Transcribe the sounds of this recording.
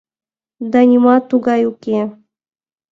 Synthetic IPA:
d̪ɑnʲimɑt̪uɡɑjukʲe

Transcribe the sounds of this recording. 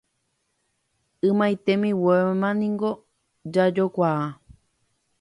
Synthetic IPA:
ɨmãjt̪emĩwemãnĩŋɡo | d͡ʒad͡ʒokʷaa

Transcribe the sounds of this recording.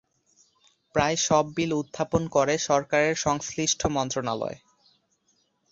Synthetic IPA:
pɾaeʃɔbːilud̪ʱːaponkoɾeʃɔɾkaɾeɾʃɔŋsliʃʈʰomɔnt̪ɾonalɔ̰e

